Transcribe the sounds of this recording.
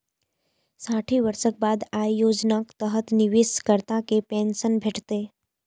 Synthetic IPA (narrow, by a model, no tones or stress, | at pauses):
saːʈʰiʋəɾʃək̚baːd̪aːjjoːd͡ʒnakt̪əɦət̪nɪʋɪskəɾt̪akepɛ̃ːnʃənbʱeʈʰt̪eː